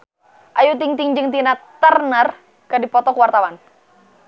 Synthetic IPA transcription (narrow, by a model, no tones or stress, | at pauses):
ʔajut̪iŋt̪iŋd͡ʒɨŋt̪inat̪ərnər | kədipɔt̪ɔkuwart̪awan